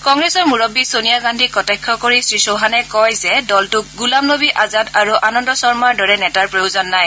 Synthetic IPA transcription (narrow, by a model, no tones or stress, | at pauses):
kɔŋɡɹɛsɔɹmuɹobisonijaɡandʱikɔtɛkʰːɔkoɹisɹisoɦanɛkɔjzɛdɔltʊk̚ɡulamnobiʔazadaɹuʔanɔndɔsɔɹmaɹdɔɹɛnɛtaɹpɹojozɔnːaj